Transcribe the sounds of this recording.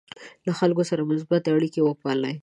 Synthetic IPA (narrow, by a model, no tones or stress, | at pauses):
laxalkosaɾamʊsbat̪eaɽikewəpɑləj